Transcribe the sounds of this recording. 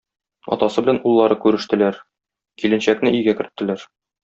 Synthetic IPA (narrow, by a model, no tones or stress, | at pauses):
ɒ̰t̪ɑsɤbɘ̆lænulˠːɑɾɤkʉɾɘ̆ʃt̪ɘ̆læɾ | kilɘ̆nɕæknɘijɡækɘ̆ɾɘ̆t̪ːɘ̆læɾ